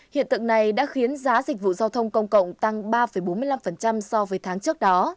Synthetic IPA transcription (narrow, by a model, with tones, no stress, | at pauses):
hḭ˧˨ənt̪ɨ̰˧˨ŋna˨˩jɗa̰ː˧˥xi˨˦ənzaː˨˦zï̟˨˩vṵ˧˨zaː˧wt̪ʰə˧wŋ͡mkə˧wŋ͡mkə̰˧˨wŋ͡mt̪a˧ŋɓaː˧fə˧˩jɓo˨˦nmɨ˧jla˧mfə˨˩nt͡ɕa˧msɔ˧vəː˨˦jt̪ʰaː˨˦ŋt͡ɕɨ˦˥ək̚ɗɔ˨˦